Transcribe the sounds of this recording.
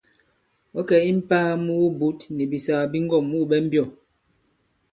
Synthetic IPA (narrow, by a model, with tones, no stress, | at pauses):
ɓɔ˦kɛ˨i˦m̩˦paː˦mu˦wu˦bu˦tnɛ˨bi˨sa˨a˨bi˦ŋ˦ɡɔ˦˨mu˦˨ɓɛ˦m̩˦bjɔ˦˨